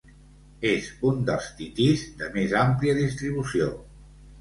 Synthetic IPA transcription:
ezund̪əlˠst̪it̪izd̪əmezampliəðist̪ɾiβ̞usio

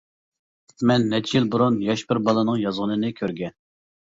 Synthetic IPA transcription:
mɛnːɛt͡ʃʰijilbuɾunjɑʃbɪɾbɑlˠɨnɨŋjɑzʁənɨnɨkʲʰøɾɡʲɛn

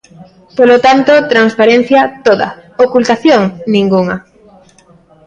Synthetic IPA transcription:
polot̪ant̪ot̪ɾanspaɾen̟θjɐt̪oðɐ̰okult̪aθjoŋnĩŋɡuŋɐ

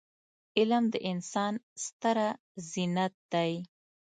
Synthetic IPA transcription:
ɪlmd̪əʔɪnsɑnst̪aɾa | zinat̪̚d̪aj

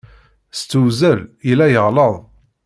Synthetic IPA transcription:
st͡sːuwzəlilæjəʁləðˤ

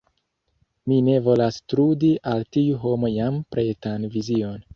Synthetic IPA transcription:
mine̞vo̞lastɾudiʔaltiuɦo̞mo̞jampɾe̞tanvizio̞n

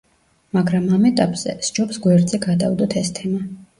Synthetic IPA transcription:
maɡɾamamɛt̪ʼapʼz̥ɛ̰sd͡ʒupsɡwɛɾd̪zɛɡad̪a̰vd̪ɔt̪ʰɛst̪ʰɛma

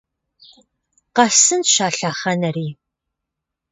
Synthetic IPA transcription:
qɐsɨnʃaːɬaːχɐnɐriː

